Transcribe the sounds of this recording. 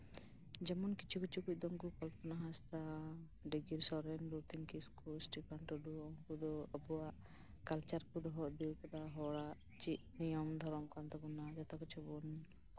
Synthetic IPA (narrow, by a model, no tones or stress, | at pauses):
d͡ʒɛmɔnkit͡ʃʰukit͡ʃʰukuc̚ˀd̪ɔŋɡukɔlpʰɔnaɦast̪a | ɖiɡiɾsɔɾɛnɾuɾt̪iŋkiskusʈipʰaɳʈɔɖuɔŋkud̪ɔəbuaʔ | kalt͡ʃaɾkud̪ɔɦɔʔb̪iwkɔd̪aɦɔɽaʔ | t͡ʃiʔnijɔmd̪ʱɔɾɔmkant̪ɔbunad͡ʒat̪ɔkit͡ʃʰubɔn